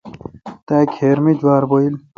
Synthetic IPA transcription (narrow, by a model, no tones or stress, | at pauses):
t̪ækʰeɾmid͡ʑwaːɾboil